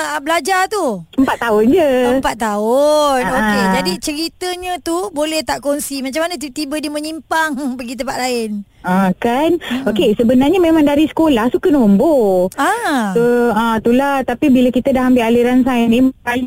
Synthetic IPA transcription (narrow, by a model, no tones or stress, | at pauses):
blad͡ʒart̪uəmpat̪ːaʊnd͡ʒəəmpat̪̚t̪ːaʊnoked͡ʒadit͡ʃəɾit̪əɲə̃t̪ubolɛht̪aʔkonsimat͡ʃamanə̃t̪it̪ibədiəmə̃ɲimpaŋpəɡit̪əmpaʔ̪laɪn | ə̃kanokesəbənarɲamemãŋdaɾisə̥kolahsukənomboat̪uə̃t̪ulaht̪apibilakit̪ədahambɪlaliɾansanimpa